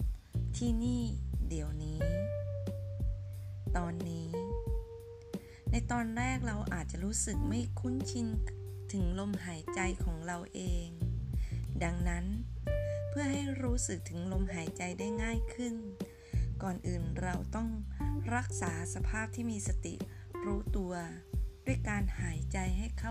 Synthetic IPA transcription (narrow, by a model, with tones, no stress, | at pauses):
t̪ʰiː˧˩niː˥˩di˨˩˦əwniː˦˥ | t̪ɔː˧nːiː˦˥ | na˧jt̪ɔː˧nɾɛː˥˩k̚ɾa˧wʔa̰ː˨˩t̪̚t͡ɕa˨ɾuː˦˥sɯ˨˩k̚ma˥˩jkʰu˥˨nt͡ɕʰi˧nt̪ʰɯ˩˦ŋlo˧mɦaː˩˦jt͡ɕa˧jkʰɔː˩˦ŋɾa˧wʔeː˧ŋ | da˧ŋna˦˥n | pʰɯ˥˩ɐɦa˥˩jɾuː˦˥sɯ˨˩k̚t̪ʰɯ˩˦ŋlo˧mɦaː˩˦jt͡ɕa˧jda˥˩jŋaː˥˩jkʰɯ˥˩n | kɔː˨˩nʔɯː˨˩nɾa˧wt̪ɔ˥˩ŋɾa˦˥˩k̚saː˩˦sa˧pʰaː˥˩p̚t̪ʰiː˥˩miː˧sa˧t̪ḭ˨˩ɾuː˦˥t̪u˧ɐdu˥˩əjkaː˧nhaː˩˦jt͡ɕa˧jɦa˥˩jkʰa˥˧˨